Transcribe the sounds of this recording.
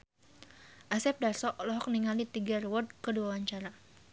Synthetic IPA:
ʔasɛp̚dasɔʔlɔɦɔk̚niŋalit̪iɡarwɔd̚kəduawaɲt͡ʃaɾa

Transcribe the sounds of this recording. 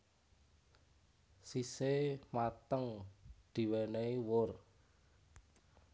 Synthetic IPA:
sisemat̪əŋd̪̥i̤weneiwʊr

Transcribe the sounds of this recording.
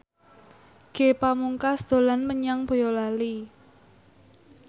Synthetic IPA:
ɡ̥e̤pamuŋkasd̪̥o̤lanməɲaŋb̥o̤jɔlali

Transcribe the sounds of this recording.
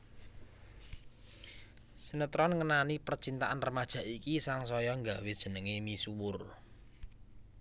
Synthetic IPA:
sənət̪ɾɔnŋənanipərt͡ʃint̪aʔanrəmad̥ʒ̥ä̤ʔikisaŋs̬ɔjɔŋɡawed̥ʒ̥ə̤nəŋemisuwʊr

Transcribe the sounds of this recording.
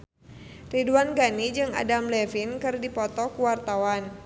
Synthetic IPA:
riduanɡanid͡ʒɨŋa̰damlɛfinkɨrdipɔt̪ɔkuwart̪awan

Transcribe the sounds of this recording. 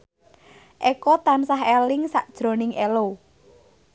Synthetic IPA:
ʔɛkɔt̪ansaɦɛlɪŋsa̰ʔd̥ʒ̥ɾo̤nɪŋʔɛlo

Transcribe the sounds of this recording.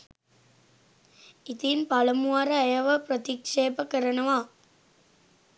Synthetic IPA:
ɪt̪ijmpɐlɐmuaɾɐɐjɐʋɐpɾɐt̪ɪkʂeːpɐkɐɾɐnɐʋaː

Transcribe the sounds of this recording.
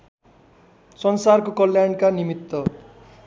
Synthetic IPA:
sʌnsarkokʌljaɳkanimit̪ːʌ

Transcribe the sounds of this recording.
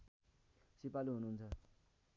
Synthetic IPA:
sipaliɦunuunt͡sʰʌ

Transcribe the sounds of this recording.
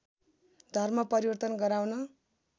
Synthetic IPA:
d̪ʱʌrmʌpʌɾiwʌrt̪ʌnɡʌɾawnʌ

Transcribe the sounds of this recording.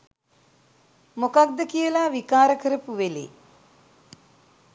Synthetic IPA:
mokak̚d̪əkijəlaːʋikaːɾəkəɾəpuʋelḛ

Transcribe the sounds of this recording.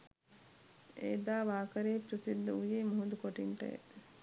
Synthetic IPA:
eːd̪aːʋaːkɐɾeːpɾəsid̪ːɐujeːmuɦud̪ukoʈiɳʈɐ̰ḛ

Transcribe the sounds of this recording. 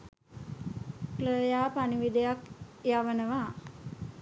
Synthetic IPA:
pləjaːpaniʋid̪ejakjaʋənəʋa

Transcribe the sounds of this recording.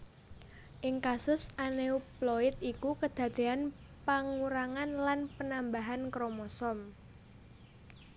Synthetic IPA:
ʔɪŋkasʊsaneuplɔɪt̪̚ikukəd̪̥a̤d̪̥e̤an | paŋuɾaŋanlanpənambaɦankɾomɔsɔm

